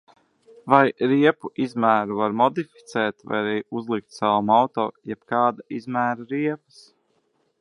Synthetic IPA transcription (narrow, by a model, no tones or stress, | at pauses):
vajɾiɛpuʔizmæːɾuvaɾmɔd̪ifi̥t̪sɛːt̪va̰jaɾɛjuzlˠik̚t̪sawamawt̪ɔːjɛb̥kaːd̪aizmæːɾaɾiɛpə̥s